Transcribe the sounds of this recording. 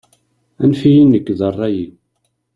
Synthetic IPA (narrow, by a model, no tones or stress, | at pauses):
ænfijinːəkːðərˤːɑji